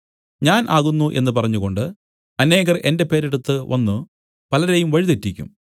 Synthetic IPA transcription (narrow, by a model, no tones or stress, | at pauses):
ɲaːnʔaːɣunːuʔe̞nːɨpɐrɐɲːuɣo̞ɳɖɨ | ɐne̞ːɣɐrʔe̞nde̞pe̞ːɾeɽut̪ːɨʋɐ̰nːu | pɐlɐɾejumʋɐɻiðetːikʲːṵm